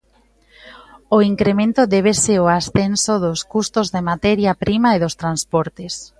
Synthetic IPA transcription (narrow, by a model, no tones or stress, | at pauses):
oiŋkɾemẽnt̪ʊðɛβ̞eseoasθensoðʊskust̪ozðemat̪ɛɾjapɾimaeðost̪ɾanspɔɾt̪es